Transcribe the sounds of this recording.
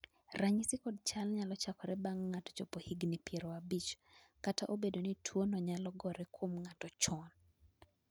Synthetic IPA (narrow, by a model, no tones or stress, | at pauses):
raɲisɪkɔd̚t͡ʃalɲalɔt͡ʃakɔɾɛbaŋːatɔ̥t͡ʃopohiɡnipjeɾoabit͡ʃ | kataʔobedonitʰwonɔɲalɔɡɔɾɛkwomŋatɔt͡ʃɔn